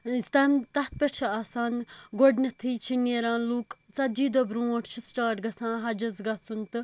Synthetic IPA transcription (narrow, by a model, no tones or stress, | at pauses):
t̪ɐmt̪ɐt̪̚pʲeʈt͡ʃʰɐaːsaːnɡoɖnɐt̪ʰiːt͡ʃʰineɾãːnluːk | t͡sɐd͡ʒiːd̪obɾuːoʈʰt͡ʃʰisʈaːʈɡɐsãːɦɐd͡ʒɐzɡɐt͡sʰunt̪ɨ